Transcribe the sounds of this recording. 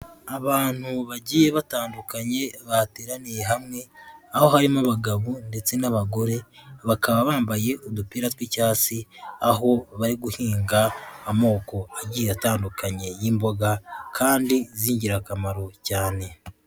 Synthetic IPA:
aβaːn̥huβaɟiːje̞βataːndukaɲe̞βateːɾanije̞ɦamŋe̞aho̞haɾimaβaɡaβunde̞t͡se̞naβaɡo̞ɾe̞βakaβaβaːmbaje̞ʔod̪upiːɾatwicaːsiaɦo̞βaɾiɡuhiːŋɡaːmo̞ːko̞aɟiːjeataːndukʰaɲe̞jiːmbo̞ɡakʰaːndiziːɲɟiɾakamaɾo̞caːne̞

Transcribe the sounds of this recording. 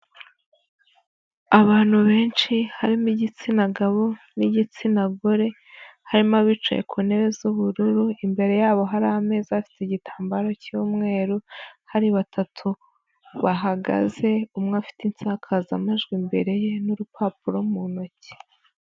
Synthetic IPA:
aβaːn̥huβe̞ːnt͡ʃihaɾimiɟit͡sinaɡaβoniɟit͡sinaɡoɾe̞ | haɾimaβit͡ʃo̰jḛkʰuːne̞βe̞zuβuɾuɾuimbe̞ɾe̞jaːβo̞ɦaɾahame̞ːzaafi̥tiɟitʰaːmbaɾo̞cuːmŋe̞ːɾuhaɾiβatʰatʰu | βaɦaɡa̰ze̞umŋafi̥tint͡saːkʰazamaʒɡwimbe̞ɾe̞jenuɾupʰapuɾomuno̞ce̥

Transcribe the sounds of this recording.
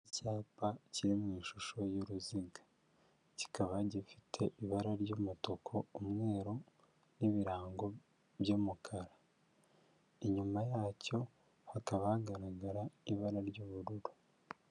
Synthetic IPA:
icaːpaciɾimŋiːʃuʃo̞joɾuziɡa | ci̥kʰaβaɟifi̥tʰe̞ʔiβaɾaɾɟoːmoto̞kʰo̞umŋe̞ːɾo̞ | niβiɾaːŋɡo̞ | bjoːmukʰaɾa | iɲumajaːco̞ | hakaβahaɡaɾaɡaɾaiβaɾaɾɟoːβuɾuɾu̥

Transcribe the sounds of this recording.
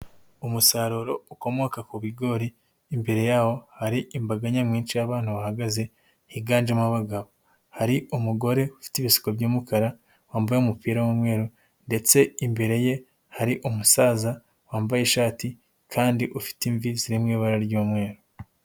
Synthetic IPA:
umusaːɾoɾo̞uko̞mo̞kakuβiɡo̞ːɾiː | mbe̞ɾe̞jaːho̞haɾiʔimbaɡaɲamŋiːnʃijaβaːn̥huβahaɡaze̞ | hiɡaːnd͡ʒamaβaɡaβo | haɾiʔumuɡo̞ɾe̞ufi̥tiβisi̥kobɟuːmukʰaɾa | waːmbajeumupiːɾawumŋe̞ːɾo | nde̞t͡se̞imbe̞ɾe̞je̞ | haɾiʔumusaːza | waːmbajeʃaːti | kʰaːndiʔufi̥tiɱviziɾimŋiːβaɾaɾɟoːmŋe̞ːɾo

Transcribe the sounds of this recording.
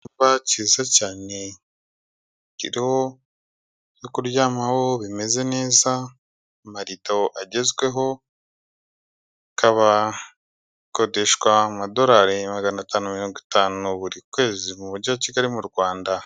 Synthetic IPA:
uβaciːzacaːne̞ | cḭɾiho̞ | jokuɾjaːmawo̞βime̞ze̞ne̞ːza | maɾitoʔaɟe̞zɡwe̞ɦo̞ | kʰaβa | ko̞de̞ʃɡwamado̞ɾaɾemaɡanataːnumiɾo̞ːŋɡitaːnuβuɾikwe̞ːzimuβuɾɟoaciɡaɾimuɾɡwaːnda

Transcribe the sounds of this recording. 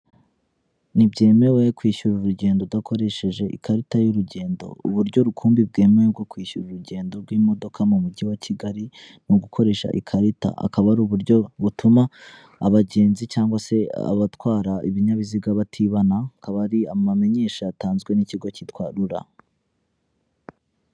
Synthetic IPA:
nibɟe̞ːme̞we̞kwiːʃuɾuɾuɟe̞ːndodakʰo̞ɾe̞ʃe̞ʒe̞ʔḭkʰaɾitajuɾuɟe̞ːndo̞̰ṵβuɾɟo̞ɾukʰuːmbib̚ɡe̞ːmeweɡo̞kwiːʃuɾuɾuɟe̞ːndo̞ɾɡwiːmo̞do̞kʰamumuɟiwaciɡaɾi | nuɡukʰo̞ɾe̞ːʃa̰ʔḭkʰaɾita̰a̰kaβaɾuβuɾɟo̞βutʰumaː | βaɟe̞ːnzit͡ʃaːŋɡwase̞a̰βatwaːɾaiβiɲaβiziɡaβatʰiβanakaβaɾiamame̞ɲe̞ːʃaːtaːnzɡwe̞niciɡo̞citwaːɾuɾa̰

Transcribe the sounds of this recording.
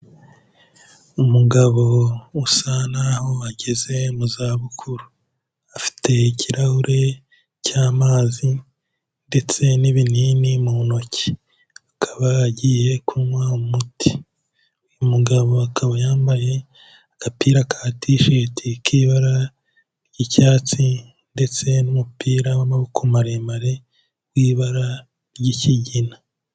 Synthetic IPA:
umuɡaβo̞usanaho̞aɟeze̞muzaːβukʰuɾu | afi̥tʰe̞icʰiɾahuɾʔe̞ | caːmaːzi | nde̞t͡se̞niβininimuno̞ci̥ | akʰaβaɟije̞kʰuwaumutʰi̥ | umuɡaβo̞akʰaβajaːmbaje | akapiːɾakʰaːtiʃetʰikiːβaɾa | ɟicaːt͡si | nde̞t͡se̞numupiːɾawamaβukumaɾeːmbaɾe̞̥ | wiːβaɾa | ɾɟiciɟina

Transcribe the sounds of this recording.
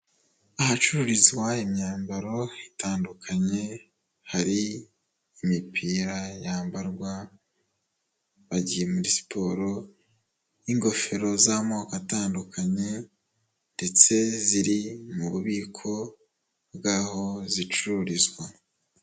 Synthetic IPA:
aɦat͡ʃuɾuɾizwaimɲaːmbaɾo̞itʰaːndukʰaɲe̞ | haɾiː | mipʰiːɾajaːmbaɾɡwa | βaɟije̞muɾisi̥pʰo̞ɾo̞ | iŋɡo̞fe̞ɾo̞zamoːkataːndukʰaɲe̞ | nde̞t͡se̞ziɾimuβuβiːkʰo̞ | bɡaːho̞zit͡ʃuɾuɾizwa

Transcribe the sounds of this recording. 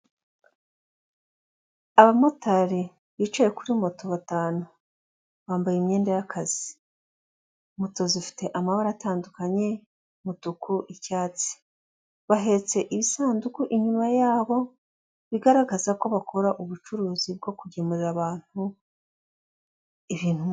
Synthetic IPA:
aβamo̞taɾi | βiːt͡ʃajekuɾimo̞to̞βataːnu | βaːmbajemɲe̞ːndejakʰaz̥i | moto̞zifi̥te̞ʔamaβaɾataːndukaɲe̞ | mutukʰuʔicaːt͡si̥ | βaɦe̞t͡se̞ʔiβisaːndukuʔiɲumajaːβo̞ | βiɡaɾaɡazako̞βakʰo̞ɾaʔuβut͡ʃuɾuːzib̚ɡo̞kuɟemuɾiɾaβaːn̥hu | iβiːn̥hu

